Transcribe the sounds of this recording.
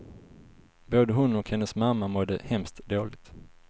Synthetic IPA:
boːd̪əɦɵnːɔkhɛnːəsmamːamɔd̪əhɛmst̪d̪oːlɪɡ̚t̪

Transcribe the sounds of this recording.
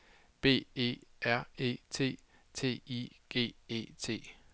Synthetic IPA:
b̥e̝̰ːe̝̰ːæɐ̰e̝̰ːt͡sʰe̝̰ː | t͡sʰe̝̰ːiɡ̥e̝̰ːe̝̰ːt͡sʰe̝̰ː

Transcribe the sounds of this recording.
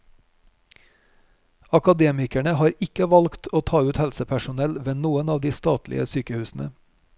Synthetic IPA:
ɑkɑd̪eːmɪkæɳəhɑːɾɪkəʋɑlkt̪ʰoːt̪ʰɑːʉːt̪hɛlsəpʰæʃʊnɛlʋɛnnuːənɑːʋd̪iːst̪ɑːt̪lʔɪ̰ə̰syːkəhʉːsn̩ə̰

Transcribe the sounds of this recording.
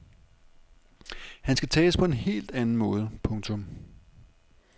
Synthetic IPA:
hænsɡ̥æt͡sʰɛ̰ːspʰɒ̽e̝nhe̝̰ːld̥ænn̩mɔ̽ːð̞ˠəpʰɔ̽ŋt͡sʰɔ̽m

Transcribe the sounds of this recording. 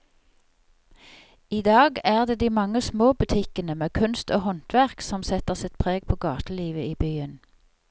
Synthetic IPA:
iːd̪ɑːɡæːʁd̪eːd̪iːmɑŋəsmoːbʉt̪ʰɪkənəmeːkʰʉnst̪oːhɔnt̪ʰʋæʁksɔmsɛt̪əʁsɪt̪pʰʁeːɡ̚pʰoːɡɑːt̪əliːʋəiːbyːən

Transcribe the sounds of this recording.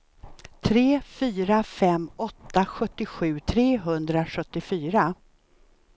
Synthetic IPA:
t̪ʰɾeːfyːɾafɛmːɔt̪ːaɧɵt̪ːɪɧʉ̟ːt̪ʰɾeːɦɵnd̪ɾaɧɵt̪ːɪfyːɾa

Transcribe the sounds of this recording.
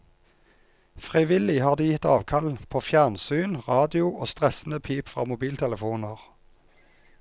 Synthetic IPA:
fʁɪʋɪlɪhɑːʁd̪iːjɪt̪ɑ̰ːʋkʰɑlpʰoːfjæʁnsyːnʁɑːd̪ɪʊʔoːst̪ʁɛsn̩əpʰiːpfʁɑ̰ːmʊbiːlt̪ʰɛləfuːnəʁ

